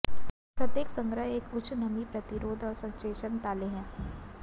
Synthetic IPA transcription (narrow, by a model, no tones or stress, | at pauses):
pɾɐt̪jeːksə̃ŋɡɾəɦeːkʊt͡ʃʰnɐmipɾɐt̪ɪɾoːd̪ɔːɾsɐ̃nt͡ʃeːʃənt̪aːleɦɛ̃ː